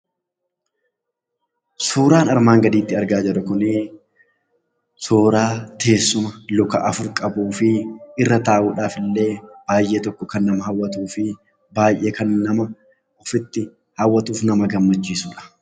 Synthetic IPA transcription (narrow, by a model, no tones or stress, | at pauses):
soːɾaːnɐɾmaːŋɡɐd̪iːt̪ːɪɐɾɡaːd͡ʒɛɾʊkʊnɪ | soːɾaːt̪ʰe̞ːsːʊmɐlɔkɐʔɐfʊɾkʼɐbuːfɪɪrːɐt̪aːʔuːᶑaːfɪlːe̞ːb̥aːjʔe̞ːt̪ɔkːɔkɐnːɐmɐhɐwːɐt̪uːfɪ | baːjʔe̞ːkɐnːɐmɐ | ɔfɪt̪ːɪ | hɐwːɐt̪uːfnɐmɐɡɐmːɐt͡ʃːiːsuːᶑɐ̥